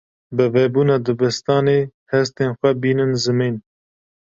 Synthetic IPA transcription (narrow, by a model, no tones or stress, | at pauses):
bɨveːbuːnɑːd̪əbəst̪ɑːneːhɛst̪eːnxʷɛbiːnɨnzɨmiːn